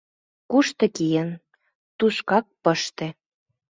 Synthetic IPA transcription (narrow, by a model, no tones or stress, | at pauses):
kuʃt̪ɤ̆kijə̆n | t̪uʃkɑk̚pəʃt̪ĕ